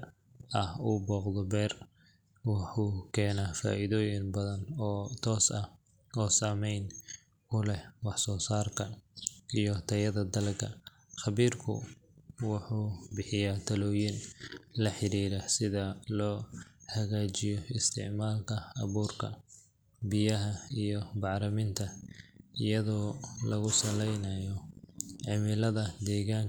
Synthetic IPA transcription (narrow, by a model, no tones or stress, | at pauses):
ɐhuːbɔːqd̪ɔbɛːr | wɑħuːkʰɛːnaːfa̰ːʔɪðɔːjɪnbɐðɐnːt̪ʰɔːsɐ | ɔːsaːmɛjn | ʊlɛhwɑħsɔːsaːrkʰɐʔijɔt̪ʰɐjɐðɐd̪ɐlkʰɐ̰ | χɑβiːrkʰʊ̰ | wɑħuːbɪħɪjaːt̪ʰɐlɔːjɪnlɐħɪɾiːɾɐsɪðɐlɔːhɐɣaːt͡ʃɪjɔɪst̪ʰɪ̰ʕmaːlkʰɐɐβuːrkʰɐ̰ | bɪjɐɦɐijɔbɑʕɾɐmɪnt̪ʰɐ | ɪjɐðɔːlɐɣʊsɐlɛjnɐjɔʕɪmɪlɐðɐd̪ɛːɣaːŋ